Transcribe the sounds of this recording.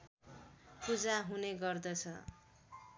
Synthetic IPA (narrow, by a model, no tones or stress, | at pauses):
pud͡zaɦuneɡʌrd̪ʌt͡sʰʌ̰